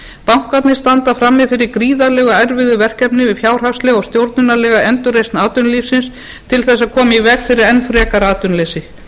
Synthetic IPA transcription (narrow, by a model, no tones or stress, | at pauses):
pawŋ̥kat̪nɪst̪ant̪afɾamːɪfɪɾɪɾkɾiːðalɛɣaɛɾvɪðʏvɛr̥kɛpnɪvɪðfjaːwr̥afst̪lɛɣɔwst̪jowɾt̪nʏnalɛːɣaɛnt̪ʏrejst̪naːt̪ʏnliːfsɪns | t̪ʰɪlθɛsːaðkʰɔːmaivɛkfɪɾɪɾɛnfɾɛːkaɾaːt̪ʏnlesɪ